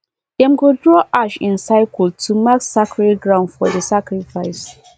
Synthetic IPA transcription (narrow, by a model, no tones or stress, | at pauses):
ɛ̃mɡodɹɔʔaʃɪ̰̃nsaɪkəltʰumaksakɹɛɡɹãʊ̃ndfɔdəsakɹifaɪs